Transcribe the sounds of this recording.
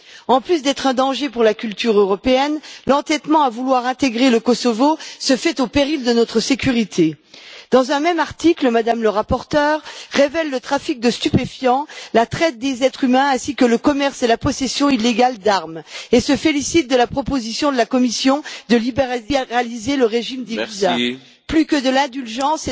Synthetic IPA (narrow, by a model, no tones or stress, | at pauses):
ɑ̃plys̬d̪ɛt̪χɛ̃d̪ɑ̃ʒepuʁlakʲylt̪yʁøʁɔpeɛnlɑ̃t̪ɛt̪mɑ̃avulwaʁɛ̃t̪eɡʁeləkɔsɔvosəfɛt̪opeʁild̪ənɔt̪χəsekʲyʁit̪ʰed̪̥ɑ̃zɛ̃mɛmaʁt̪ikləmad̪amləʁapɔʁt̪œːʁːevɛlːət̪χafik̚d̪əst̪ypefjɑ̃lat̪χɛt̪̚d̪ezɛt̪χymɛ̃ɛ̃sikələkɔmɛʁselapɔsesjɔ̃ilːeɡald̪aʁmesəfelisit̪̚d̪əlapχɔpozisjɔ̃d̪əlakɔmisjɔ̃d̪əlibeʁaʁalizeləʁeʒimd̪eizɛ̃ | plykəd̪əlɛ̃d̪ylʒɑ̃s